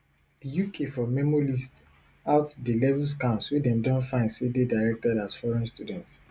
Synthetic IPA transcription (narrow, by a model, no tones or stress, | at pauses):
dijukʰefɔmɛmɔlist | aʊtdilɛvuls̬kãnswidɛ̃mdɔ̃ntfãɪ̃ndsededaɪɹɛk̚tɛdasfɔɹɛ̃nstudɛ̃nts